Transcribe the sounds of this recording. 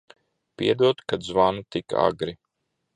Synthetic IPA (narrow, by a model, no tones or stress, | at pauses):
piɛd̪uɔt̪kad̪zvanut̪ika̰ɡɾi